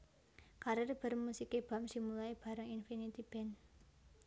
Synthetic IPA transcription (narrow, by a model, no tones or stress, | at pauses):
kaɾərb̥ə̤rmusikeb̥a̤msimulaib̥a̤ɾaŋinfinit̪ib̥ɛ̤n